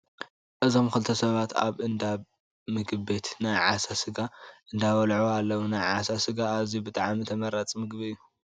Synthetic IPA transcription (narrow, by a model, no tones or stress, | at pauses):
ʔɨzo̞mkɨlt̪ʰɐsɐβat̪a̰βɨnd̪aβ | mɨɡɨβet̪ʰnajʕasasɨɡaʔɨnd̪aβɐlʕoalːɐwunajʕasasɨɡaːzibɨt̪ʼaʕmit̪ʰɐmɐɾat͡sʼmɨɡβɨɨjːu